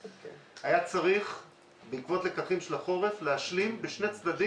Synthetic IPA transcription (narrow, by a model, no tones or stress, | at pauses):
ajat͡saʁiχ | beikvo̞t̪le̞kaχimʃelaχo̞ʁe̞fleaʃlimbeʃne̞t͡sd̪ad̪i